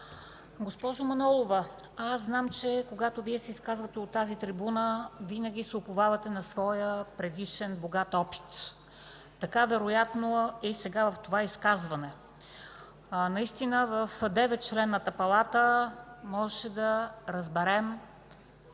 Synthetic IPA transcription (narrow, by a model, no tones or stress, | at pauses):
ɡospɔʒomɐnɔlˠovə | asznamt͡ʃɛkoɡat̪oviɛsɛiskazvət̪ɛot̪ːazit̪ɾibunəvinəɡ̟ʲisɛopovavɐt̪ɛnɐsvɔjəpɾɛd̪iʃɛnboɡat̪ɔpi̥t̪ | t̪ɐkavɛɾojat̪noisɛɡavɐft̪ovaiskazvɐnɛ | nɐist̪inəvəfd̪ɛvɛt̪̚t͡ʃlɛnːət̪ɐpɐlˠat̪əmɔʒɛʃɛd̪ɐɾɐzbɛɾɛm